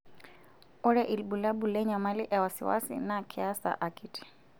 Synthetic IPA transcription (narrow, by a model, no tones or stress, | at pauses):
ɔɾɛʔilɓulaɓulɛɲamaliʔɛwasḭwa̰sḭnakʰɛasa̰ʔakiti̥